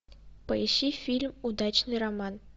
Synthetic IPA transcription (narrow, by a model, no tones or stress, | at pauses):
pəjiɕifʲilʲmud̪ɑt͡ɕnɨjrɐmɑn